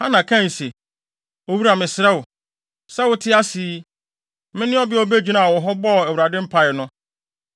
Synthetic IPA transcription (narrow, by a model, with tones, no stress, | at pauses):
hã˦nã˨kʰã˦n̩˨se˨ | o˨wu˦ɾa˨mɪ̃˨sɪ˨ɾa˦wʊ˨ | sɛ˦wʊ˦tʰɪ˦a˦si˦ | mɪ̃˦nɪ̃˦ɔ˦bɪ˦ɔ˦be˦d͡ʑᶣu˨nã˨a˨wɔ˨ɦɔ˦bɔ˦˨ɛ˨wu˨ɾa˨dɪ̃˦m̩˦pʰa˨ɪ˨nʊ̃˦